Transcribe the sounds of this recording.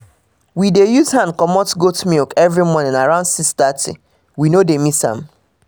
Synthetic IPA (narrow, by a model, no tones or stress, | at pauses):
widejuzɦãnkɔmɔtɡotmilkɛvɹimɔnɪ̃naɹãʊ̃nsistatḭ | winodemisã̰m